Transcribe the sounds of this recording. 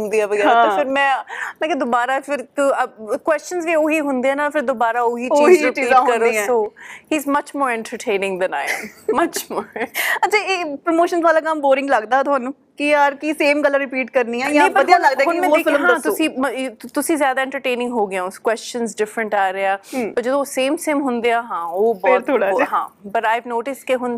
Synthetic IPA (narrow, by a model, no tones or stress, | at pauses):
ʊnd̪iːaːʋəɡɛːefɪɾmɛ̃ːmɛ̃ːked̪ʊbaːɾaːfʰɪɾkkwɛst͡ʃənzʋiːoːɦiːɦʊ̃nd̪eːɛːnafʰɪɾd̪obaːɾaːʊɦiːt͡ʃoit͡ʃiːãːɦəɾoːoːhiːzmət͡ʃmoːɾɛ̃ɳʈəɾʈʰẽːnɪ̃ŋɡd̪ɛna̰ːɪmət͡ʃmoːɾɾɐtːt͡ʃʰaːeːpɾəmoːʃənzʋaːlaːkəmboːɾɪ̃ŋɡləɡd̪aːt̪ʊɦaːnũː | kɪjaːɾkiseːmɡəlːãːɾɪpiːʈkəɾniːɛ̃ːjed̪jaːləɡd̪aɦʊnmɛ̃ofɪləɦaːt̪ʊsĩːmt̪ʊsĩːzjaːd̪aːɛ̃ɳʈəɾʈẽːnɪ̃ŋɡɦoːɡɪjãːskwɛst͡ʃənzɖɪfɾə̃ɳʈaːɾeaːpəɾd͡ʒəd̪õːsẽːmseːmɦʊ̃nd̪eaːɦãːoːbɔːt̪t̪ʰoːɽaɦã̰ːbəʈaːɪʋnoːʈɪskeɦʊn